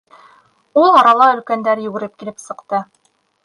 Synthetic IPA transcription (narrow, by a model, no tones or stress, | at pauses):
ulˠɑɾɑlˠɑɵ̆lkænd̪æɾjɵ̆ɡɘ̆ɾɘp̚kilɘpsɤ̆qt̪ɤ